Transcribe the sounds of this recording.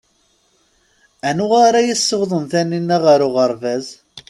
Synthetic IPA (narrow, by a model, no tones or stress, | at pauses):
ænʊʁaɾajəsːəvðˤənθænːinːæʁaɾʊʁəɾˤvæz